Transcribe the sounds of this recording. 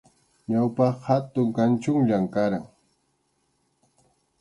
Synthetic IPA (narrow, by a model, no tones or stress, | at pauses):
ɲawpɑqhat̪ʊŋkant͡ʃʊŋʎamkaɾaŋ